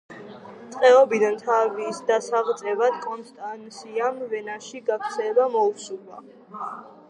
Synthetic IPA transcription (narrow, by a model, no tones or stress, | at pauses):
t̪sʼqʼɛɔbid̪ant̪ʰavisd̪asaʁt̪sʼɛvad̪̥kʼɔnst̪ʼansiamvɛnaʃiɡakʰɾt̪sʰɛlɛbamɔusula̰